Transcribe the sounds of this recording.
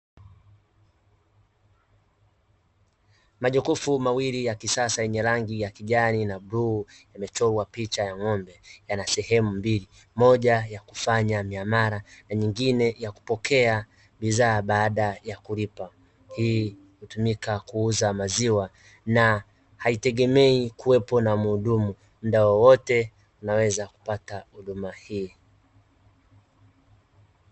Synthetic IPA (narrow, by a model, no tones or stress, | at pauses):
maʄukufumawilijakisasaɛɲɛɾaŋɡijakiʄaninaɓɾu | jamɛt͡ʃɔwapit͡ʃajaŋɔmbɛjanasɛhɛmumbili | mɔʄajakufaɲamiamaɾanaɲiŋɡinɛjaku̥pɔkʰɛa | ɓiðaːɓaːɗajakulipa | hiː | hutumikakuuzamaziwa | na | haitɛɠɛmɛikuwɛpɔnamuːɗumu | m̩ɗawɔwɔtɛ | unawɛzaku̥patahuɗumahiː